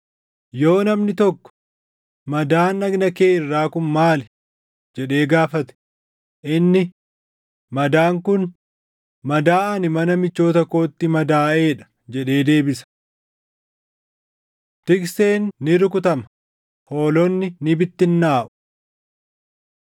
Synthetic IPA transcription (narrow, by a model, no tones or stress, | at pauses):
jo̞ːnɐmnɪt̪ɔkːɔ̥ | mɐd̪aːnːɐɡnɐkeːɪrːaːkʊnmaːl | d͡ʒɛᶑe̞ːɡaːfɐt̪ɛ̥ | ʔɪnːɪ | mɐd̪aːŋkʊn | mɐd̪aːʔɐnɪmɐnɐmɪt͡ʃːo̞ːt̪ɐko̞ːt̪ːɪmɐd̪aːʔeːᶑɐ̥ | d͡ʒɛᶑe̞ːd̪e̞ːbɪsɐ̥ | t̪ɪkse̞ːnːɪɾʊkʊt̪ɐmɐ̥ | ho̞ːlɔnːɪnɪbɪt̪ːɪnːaːʔʊ̥